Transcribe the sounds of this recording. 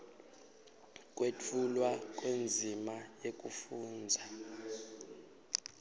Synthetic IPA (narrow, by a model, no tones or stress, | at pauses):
k̬ʼwet͡fʰulwak̬ʼwend͡zʱimajek̬ʼufuːnd͡zʱa